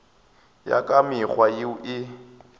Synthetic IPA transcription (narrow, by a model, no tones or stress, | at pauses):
ja̰kʼamɪχwajɪʔɪ